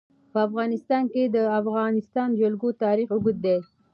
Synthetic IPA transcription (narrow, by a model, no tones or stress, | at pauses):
pəafɣɑnɪst̪ɑnked̪əafɣɑnɪst̪ɑnd͡ʒalɡot̪ɑɾixʊɡʊd̪̚d̪e